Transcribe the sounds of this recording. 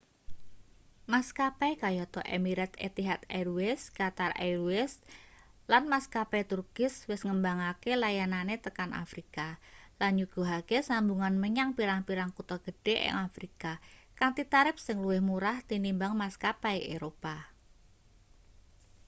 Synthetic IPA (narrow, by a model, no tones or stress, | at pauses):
maskapajkajɔt̪ɔ̰ʔemiɾɛt̪ḛt̪iɦat̪aɾuɛskat̪arʔa̰ɾuɪslanmaskapɛt̪urkɪswɪsŋəmbaŋakelajananet̪əkanʔa̰fɾikalanɲuɡ̥ṳɦakesambuŋanməɲaŋpiɾaŋpiɾaŋkut̪ɔɡ̥ə̤ɖ̥ɛʔɪ̰ŋafɾikakaŋt̪it̪aɾɪp̚sɪŋluɪhmuɾaht̪inimbaŋmaskapajeɾopa